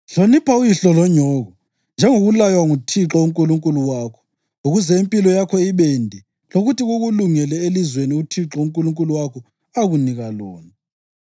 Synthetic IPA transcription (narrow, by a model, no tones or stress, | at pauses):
ɬonipʰaujiɬɔlɔɲɔːɣɔ | nd͡ʒʱɛŋoɣulajwaŋutʰiǁɔuŋkʼuluŋkʼuluwaːkʰɔ̥ | uɣuzɛimpʼilɔjakʰɔiɓɛndʱɛ | loɣutiɣuɣuluŋɛlɛelizweniutʰiǁɔuŋkʼuluŋkʼuluwakʰɔ | aɣuniɣalɔːna